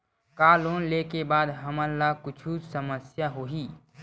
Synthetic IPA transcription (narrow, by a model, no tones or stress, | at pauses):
kaːloːnleːkebaːd̪ɦɐməlːakʊt͡ʃʰusəməsjaɦoːɦiː